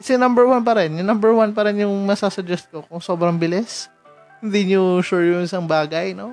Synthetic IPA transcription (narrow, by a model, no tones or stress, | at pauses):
sɛnɐmbɛɹwanp̬ɐɾɛnjʊŋnɐmbɛɹwanpɐɾɛnjʊŋmɐsasɐd͡ʒɛst̪̚kokʊŋso̞ːbɾɐŋbɪlɪs | hɪnd̪iɲoʃʊɹjʊnɪsɐŋbaːɡɐjno